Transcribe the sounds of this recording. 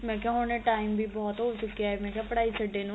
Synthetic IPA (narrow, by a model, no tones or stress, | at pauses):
mɛ̃ːkjaɦoːneʈaːɪmbʱiːbɔːt̪ɦoːt͡ʃʊkːijaɛmɛ̃ːkjaːpəɽaːisəɖeːnũ